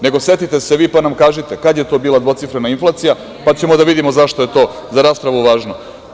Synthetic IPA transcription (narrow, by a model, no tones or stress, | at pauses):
ne̞ɡo̞se̞t̪it̪eseʋiːpanamkaːʒit̪e̞kad̪je̞t̪o̞biːlad̪ʋo̞t̪sifɾenainflˠaːt̪sija | pat͡ɕe̞mod̪aʋid̪imozaʃt̪oje̞t̪o̞ː | zaɾaːspɾaʋuʋaːʒno̞